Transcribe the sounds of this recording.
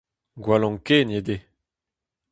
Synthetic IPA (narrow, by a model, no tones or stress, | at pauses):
ɡwalɔ̃ŋkened̪e